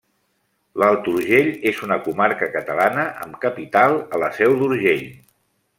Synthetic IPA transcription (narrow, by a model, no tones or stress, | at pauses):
lalˠt̪uɾʒeʎezunəkumaɾkəkət̪əlanəʔə̰mkəpit̪alˠələsɛwd̪uɾʒeʎ